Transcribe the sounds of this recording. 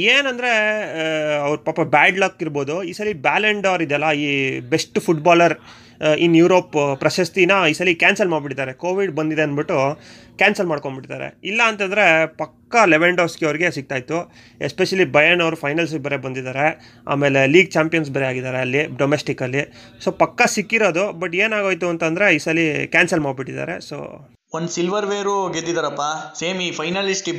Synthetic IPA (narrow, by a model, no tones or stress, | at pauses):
eːnɐnd̪ɐɾe̞ | ɐʋɐɾupaːpːɐbaːɖlaːkːiɾboːd̪uisɐlːibaːleɳɖɐʋɾid̪ɛlːɐiːbe̞sʈpʰuʈbaːlɐɾ | injuːɾoːpːɾɐʃɐst̪inɐisɐlːikaːnsɐlmaːɖbiɽid̪aːɾekoːʋiɖbɐnd̪id̪e̞ɐnbiʈːu | kaːnsɐlmaːɽkoɳbiʈt̪aːɾḛilːɐːnt̪ɐnd̪ɾe̞pɐkːɐleʋeɳɖoːskiɐʋɐɾiɡe̞siɡ̚t̪aːjit̪u | espeʃɐlibɐjɐnɐʋɐɾupʰɐjnɐls̬bɐɾebɐnd̪id̪aːɾe̞ | a̰ːme̞ːleliːɡ̚t͡ʃaːmpijɐns̬bɐɾeaːɡid̪aːɾeɐlːiɖomesʈikːɐlːi | soːpɐkːɐsikːiɾo̞ːd̪ubɐʈːe̞ːnaːɡo̞ːjt̪uɐnt̪ɐnd̪ɐɾe̞isɐlːikaːnsɐlmaːɽbiʈːid̪a̰ːɾe̞̰so̰ː | ond̪silʋɐɾʋeːɾuɡet̪ːid̪aːɾɐpːaseːmipʰɐjnɐlisʈ